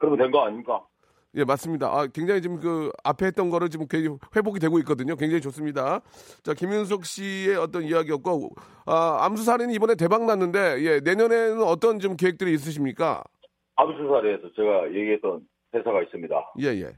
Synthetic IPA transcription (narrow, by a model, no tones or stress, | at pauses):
kɯɾʌmentwenɡʌaɲimk͈a | je̞mas͈ɯmɲida̰ʔakwe̞ŋd͡ʑaŋit͡ɕomkɯa̰pʰe̞ɦet͈̚ʌnɡʌɾɯɭt͡ɕimkeɸwe̞boɡidwe̞ɡoik͈ʌdɯɲok̬we̞ŋd͡ʑaŋit͡ɕos͈ɯmɲidat͡ɕakimjuns̬ʰok̚ɕ͈ie̞ʌt͈ʌnijaɡiʌt̚k͈o | aa̰msʰus̬ʰaɾinɯnibʌne̞t̬e̞baŋnanːɯnde̞je̞ne̞ɲʌne̞nɯnʌt͈ʌnt͡ɕomk̬eek̚t͈ɯɾiːs̬͈ɯɕ̬ʰimɲik͈a̰ | amsʰusʰaɾeːsʰʌt͡ɕe̞ɡajeɡiɦe̞t͈ʌn | tesʰaɡais͈ɯmɲida̰je̞je̞̰